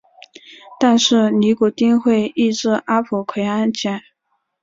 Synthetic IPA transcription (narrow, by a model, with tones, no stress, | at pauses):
t̪a˥˧nʂɻ̩˥˩ni˧˥ku˨˩t̪i˥ŋxwe˥˧ɪi˥˧ʈ͡ʂɻ̩˥˩ʔa˥pʰu˨˩kʰwe˧˥ɪa˥nt͡ɕʰjɛ˧˩˦n